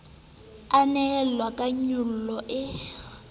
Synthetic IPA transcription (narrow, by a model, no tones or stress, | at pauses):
anɛllwakʼaɲʊl̩lɔʔɪ